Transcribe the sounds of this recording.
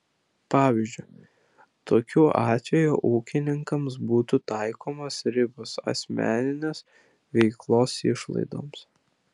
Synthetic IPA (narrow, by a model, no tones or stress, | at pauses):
pɑːʋʲiʒʲd͡ʒʲʊɪ | t̪oːkʲuːʔɑːt̪ʲʋʲɛjṵːʔuːkʲɪnʲɪŋkɐms̬buːt̪ut̪ɑˑɪkoːmɐsɾʲɪbosɐ̰sʲmʲæ̰ːnʲɪnʲeːs | ʋʲɛɪklˠoːsɪʃlˠɐ̰ɪd̪o̰ːms